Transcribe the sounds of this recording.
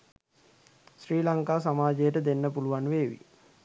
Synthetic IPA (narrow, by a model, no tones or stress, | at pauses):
sriːlaŋkaːsamaːd͡ʒejəʈəd̪enːəpuluʋanʋeːʋḭ